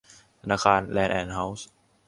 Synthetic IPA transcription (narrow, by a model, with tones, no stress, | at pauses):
tt̪ʰa˧naː˧˩kʰaː˧nlɛː˧nʔɛː˧˩nɦa˦˧˥ws